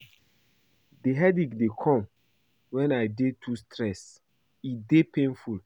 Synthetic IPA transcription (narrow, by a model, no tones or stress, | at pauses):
deɦɛdikdekʰɔ̃m | wɛ̃najdetʰustʰɾɛs | idepẽnful